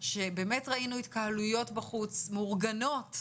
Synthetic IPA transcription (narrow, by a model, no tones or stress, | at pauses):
ʃe̞be̞ːmetʁainuit̪kahalujo̞tbaχut͡smeuʁɡano̞t